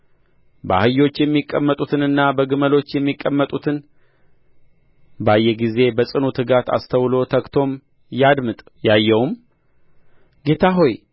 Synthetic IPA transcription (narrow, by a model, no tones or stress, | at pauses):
ba̰hɨjo̞t͡ʃːjɛmːikʼːəmːət̪ʼut̪ʰɨnɨnːabəɡɨməlo̞t͡ʃːjɛmːikʼːəmːət̪ʼut̪ʰɨn | bəajːɛɡize̞bəsʼɨnut̪ʰɨɡat̪ʰa̰st̪ʰəwlo̞t̪ʰəkt̪ʰo̞m | jad̪mɨt̪ʼ | jajːɛwum | ɡe̞t̪ʰaɦo̞j